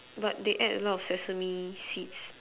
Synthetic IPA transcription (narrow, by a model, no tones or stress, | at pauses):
bat̚deʔɛdə̰lɔtɔfsɛsəmisits